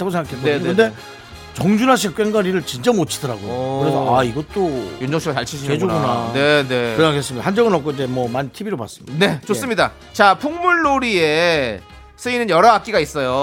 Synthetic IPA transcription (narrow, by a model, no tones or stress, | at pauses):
tʰaɡos̬ʰeŋɡakʰeoekɯnde̞ | t͡ɕʌŋd͡ʑunaɕ̬ʰik͈weŋɡaɾiɾɯɭt͡ɕint͡ɕ͈amot͡ɕʰi̥dʌɾaɡojokɯɾesʰʌʔaiɡʌt͈ojond͡ʑʌŋɕʰiɾat͡ɕaɭt͡ɕʰiɕʰiɲed͡ʑoɡunane̞ne̞ɯakʰes͈ɯmɲidahand͡ʑʌɡɯnʌkʰoid͡ʑe̞mwʌmantʰibiɾoba̰s͈ɯmidne̞t͡ɕos͈ɯmɲida | t͡ɕapʰuŋmuɭːoɾie | sʰɯinɯnjʌɾʌɦak͈iɡais͈ʌjo